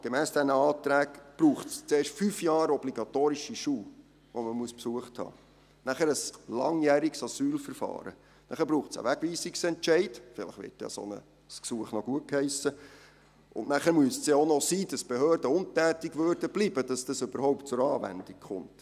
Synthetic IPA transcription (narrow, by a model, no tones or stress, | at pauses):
ɡ̥emæːsd̥ɛnəɑːt̪ɾæːɡb̥ɾuːχtst͡seːrʃtfyfjɑːɾɔbliɡɑtoːɾiʃiʃuː | ʋoməmuəspsuəχthɑ̰ː | næχəɾəslɑŋjæːɾɪksɑsyːlfəɾfɑ̰ːɾə̰ | næχæɾb̥ɾuːχtsə̰ʋæɡ̥ʋiːsiksɛnt͡ʃɛɪd̥fɪləχʋɪ̰tjɑ̰sɔ̰nə̰ | sksuəχnoɡuət̚khɛɪsə | ʊ̰ndnæχæːɾmʉəssjɑonɔsiːdɑsb̥eɦøːɾdəʊntæːtɪɡʋøːɾd̥əb̥liːbəd̥ɑsd̥ɑsʏb̥əɾhɔʊpt̚t͡sʊɾɑːʋæ̰nd̥ikχʊ̰nt